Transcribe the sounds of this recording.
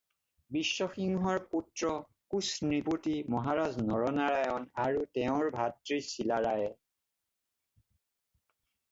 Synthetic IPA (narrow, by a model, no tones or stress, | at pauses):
bisːɔxiŋɦɔɹputɹɔ | kusnɹiputimɔɦaɹaznɔɹɔnaɹajɔnaɹutɛʊ̃ɹbʱatɹisilaɹajɛ